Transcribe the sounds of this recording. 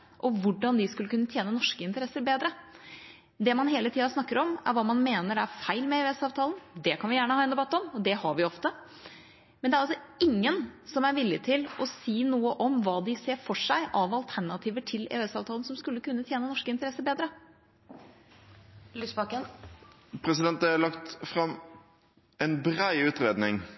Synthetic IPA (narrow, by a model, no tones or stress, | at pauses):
ʔɔʋʊɖɑnd̪ɪskʉlːəkʉnːət̪ʰjeːnənɔʂkəɪnt̪əɾɛsːəɾbeːd̪ɾə | d̪ɛmɑnɦeːlət̪ʰiːɑsnɑkːəɾɔmæ̰ɾʋɑːmɑnmeːnəɾæɾfæɪlmɛɛɛsɑːʋt̪ʰɑːln̩d̪ɛkʰɑnʋɪjæːɳəhɑːɛnd̪ɛbɑt̪ːɔmɔd̪ɛhɑɾʋɪɔft̪ə | mɛnd̪ɛæɾɑlsɔɪŋːənsɔmæɾʋɪlːɪt̪ʰɪlɔsiːnuːəʔɔmʋɑːd̪ɪseːɾfɔʂæɪʔɑʋɑlt̪ʰæɳɑt̪ʰiːʋəʈʰɪlɛ̰ːʉɛsɑːʋt̪ʰɑːln̩sɔmskʉlːəkʉnːət̪ʰjeːnənɔʂkəɪnt̪əɾɛsːəbeːd̪ɾə | lysbɑkə | pʰɾɛsɪd̪ɛnt̪əælɑkt̪fɾɑm | ɛnbɾæɪʉːt̪ɾeːd̪nɪŋ